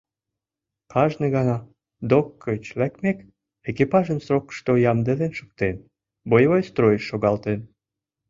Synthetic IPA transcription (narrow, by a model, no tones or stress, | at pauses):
kʰɑʒneɣɑnɑ | d̪okʰːøt͡ɕlækmek | ekipɑʒəmsrokə̥ʃt̪ojɑmd̪eðenʃə̥k̚t̪en | bojβojst̪ɾojəʃːoɣɑlt̪en